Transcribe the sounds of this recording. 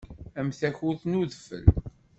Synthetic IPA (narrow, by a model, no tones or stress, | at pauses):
æmθæçuθnuðəfə̰l